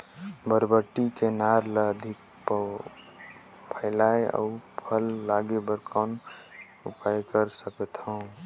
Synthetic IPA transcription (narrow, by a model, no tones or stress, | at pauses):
bəɾbəʈːikenaɾləd̪ʱɪk | p | pʰəɪlaeə̰upʰəlːaɡebəɾkʰan | upajkəɾsəkət̪ɦəũ